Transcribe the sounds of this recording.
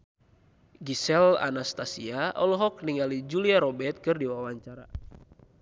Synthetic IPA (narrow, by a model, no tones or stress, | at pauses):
ɡisɛla̰nast̪asiaʔɔlɔɦɔk̚niŋalid͡ʒuliaɾɔbɛt̪̚kɨrdiwawaɲt͡ʃaɾa̰